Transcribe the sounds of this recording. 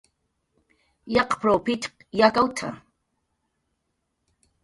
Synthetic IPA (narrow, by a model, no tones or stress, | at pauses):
jɑqpɾopit̪qjakawt̪ʰa̰